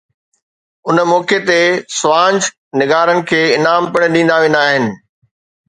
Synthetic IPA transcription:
ʊnmɔːket̪esʊʋãːnd͡ʑ | nɪɡaːɾənɪ̆kʰeːɪnaːmpɐɽ̃ɗĩːnd̪aʋẽːnd̪aːɦɪnɪ̆

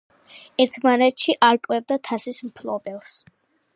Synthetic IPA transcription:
ɛɾt̪ʰmanɛt̪ʃiʔaɾkʼwɛvd̪at̪ʰasismpʰlˠɔbɛlˠs

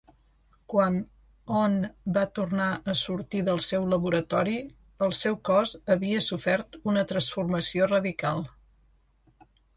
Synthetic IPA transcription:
kwan | ɔnbat̪urnaʔəsuɾt̪iðəlˠsɛwləβuɾət̪ɔɾi | əlˠsɛwkɔzəβiəsufɛɾt̪unət̪ɾənsfurməsiorəðikalˠ

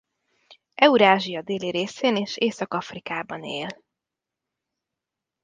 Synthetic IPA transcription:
ɛuɾaːʒijɒd̪eːliɾeːseːneːʃeːsɒkɒfrikaːbɒnḛːl

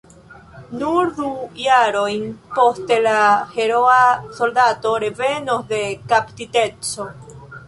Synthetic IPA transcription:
nuɾdujaɾo̞jnpo̞stelahe̞ɾoaso̞ldato̞ɾe̞ve̞nosd̪e̞kaptite̞t͡so̞

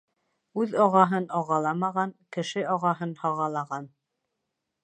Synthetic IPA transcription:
ʉðɒʁɑɦɤnɒʁɑlˠɑmɑʁɑŋkɘ̆ʃɘʔɒʁɑɦɤnhɒʁɑlˠɑʁɑn

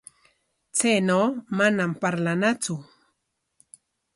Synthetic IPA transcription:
t͡sejnowmanampaɾlanat͡sʊ

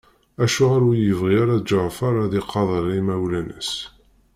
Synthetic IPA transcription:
æʃuʁaɾujəvʁiaɾad͡ʒəɾfɑɾˤaðiqʰːɑðˤəɾˤimæwlænə̰s

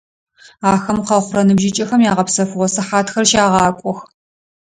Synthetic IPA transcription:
aːxɐmqɐχʷʊrɐnɨbʒɪt͡ʃʼɐxɐmjaːʁɐpsɐfɨʁʷɔsɐħaːtxɐrʃaːʁɑːkʷʼɔx

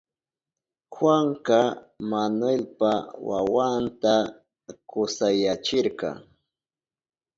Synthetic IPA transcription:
xwaŋkɑ | manwelpawa̰want̪a | kʊsajat͡ʃɪɾkɑ̰

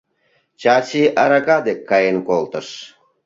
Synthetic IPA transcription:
t͡ɕaɕiʔaɾakad̪ekʰːɑjenkolt̪ə̆ʃ

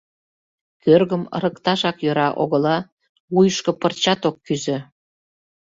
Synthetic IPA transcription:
kørɣəmə̰ɾəkt̪ɑʃɑkjøɾɑʔoɣə̆lɑ | βujəʃkə̆pərt͡ɕɑt̪okːyzø̆

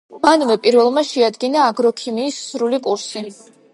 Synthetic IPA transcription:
manvɛpʼiɾvɛlˠmaʃɛad̪ɡinaːɡɾɔkʰimiːsːɾulikʼuɾsi

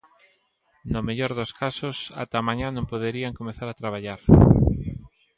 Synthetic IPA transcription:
nomeʎɔɾðoskʰasʊsa̰t̪amãɲãnõŋpoðeɾiaŋkomeθaɾat̪ɾaβ̞aʎaɾ

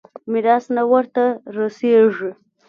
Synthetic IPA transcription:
mɪɾɑsnawəɾt̪aɾaseʐi

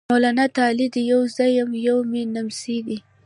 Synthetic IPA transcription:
olanat̪ɑlid̪əjawzajamjawmenamsid̪i

